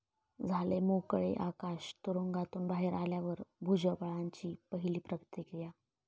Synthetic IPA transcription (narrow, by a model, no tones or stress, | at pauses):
d͡zʱalemokɭḛʔakaɕt̪uɾoŋɡat̪uːnbaɦeɾaljaʋəɾbʱud͡ʑəpəɭaɲt͡ɕiːpəɦiliːpɾəkt̪jəkɾija